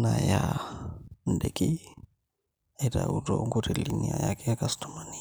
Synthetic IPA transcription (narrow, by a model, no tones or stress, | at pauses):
naja | ndɛki | ɛtautɔŋɡutɛliniajakɛakastamani